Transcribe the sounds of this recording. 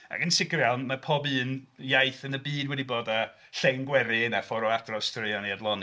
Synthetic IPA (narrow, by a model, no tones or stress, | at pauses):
a̰kənsɪɡrjawnmapʰɔbɨːnjajθənəbiːnwɛdiboːda | ɬɛŋɡwɛɾɪnafɔɾɔadrɔstʰrɪɔniadlˠɔni